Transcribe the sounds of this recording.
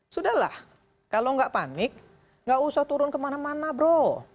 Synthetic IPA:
sudahla̰h | kaloŋɡaʔpanɪk̚ | ŋɡaʔusaht̪uɾʊnkəmanamanabɾo

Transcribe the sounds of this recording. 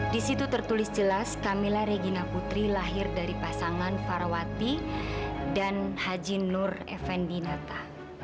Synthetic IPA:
disit̪ut̪ərt̪ulɪsd͡ʒəlaskamilaɾeɡinaput̪ɾilaɦɪrdaɾipasaŋanfarwat̪i | danhad͡ʒimnʊrɛ̰fɛndinat̪a

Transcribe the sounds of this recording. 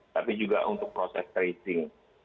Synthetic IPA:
t̪apid͡ʒuɡa̰ʔunt̪ʊk̚pɾosɛ̰st̪ɾesɪŋ

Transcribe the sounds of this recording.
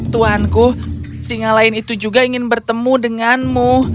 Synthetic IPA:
t̪uanku | siŋalaɪnit̪ud͡ʒuɡaiŋɪnbərt̪əmudəŋanmu

